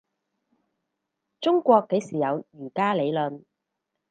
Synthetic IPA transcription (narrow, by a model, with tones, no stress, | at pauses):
t͡sʊ˥ŋkʷɔː˧kːe˨˥jsiː˨˩jɐ˨˧wjyː˨˩kaː˥le˨˧jlɵ˨n